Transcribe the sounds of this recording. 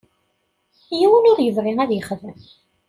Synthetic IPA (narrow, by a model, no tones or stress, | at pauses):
jiwənʊɾjəvɾˤiŋæðjəχðəm